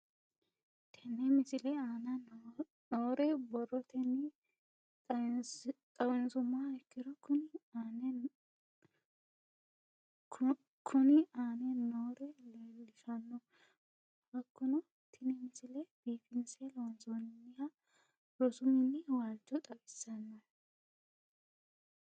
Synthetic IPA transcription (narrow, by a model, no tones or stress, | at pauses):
t̪ʰɛnɛmɪsɪlɛaːnɐ | noːɾɛbɔrːɔt̪ʰɛnːɪ | t̪ʼɐwɪnsʊmːaɛkːɪd̪ɔkʊn | kʰʊnɪaːnɛnoːɾɛlɐlːɪfɐnːɔ | bɐkːʊnɔ | t̪ʰɪnɪmɪsɪlɛb̥iːfɪnsɛlɐwɐnsɔnnːɪja | ɾɔsʊmɪnːɪwaːlt͡ʃːɔt̪ʼɐwɪsːɐnːɔ